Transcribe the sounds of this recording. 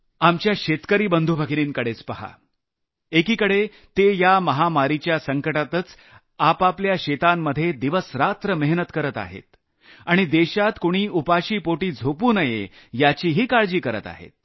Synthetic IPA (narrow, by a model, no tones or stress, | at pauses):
amt͡ɕjaɕet̪kəɾiːbənd̪ʱubʱaɡiniːnkəɽet͡spəɦa̰ | ekiːkəɽe | t̪ejaməɦamaɾit͡ɕjasəŋkəʈat̪ət͡s | apapljaɕet̪amːəd̪ʱːjed̪iʋəsɾat̪ɾəmeɦnət̪kəɾət̪a̰ɦḛt̪ | aɽ̃id̪eɕat̪koɽ̃iːupaɕiːpoʈiːd͡zʱopuːnəjḛ | jat͡ɕiːɦiːkaɭd͡ʑiːkəɾə̰t̪a̰ɦḛt̪̚